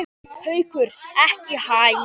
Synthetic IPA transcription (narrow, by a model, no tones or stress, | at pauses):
hœɥkʏɾɛhcɪhaːj